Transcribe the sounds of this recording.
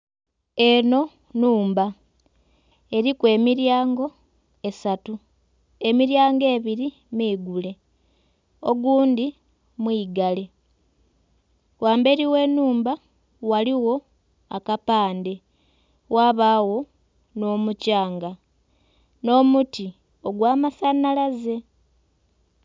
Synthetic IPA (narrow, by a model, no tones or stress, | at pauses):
e̞no̞ | nuːmba | e̞ɾikwe̞ːmiɾjaːŋɡo̞ | e̞satu | e̞miɾjaːŋɡe̞ːβiɾi | miːɡule̞ | o̞ɡuːndi | mwiːɡale̞ | wʔaːmbe̞ɾiwe̞ːnːuːmba | waliwo̞ | akapaːnde̞ | waβaːwo̞ | no̞ːmucaːŋɡa | no̞ːmuti | o̞ɡwaːmasanalaze̞